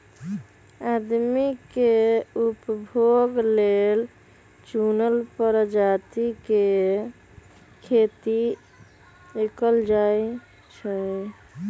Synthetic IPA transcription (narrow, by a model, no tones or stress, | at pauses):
ad̪mikeupbʱoɡlel | t͡ʃunəlpəɾəd͡ʒat̪ike | kʰet̪i | ekəld͡ʒaj | t͡ʃʰə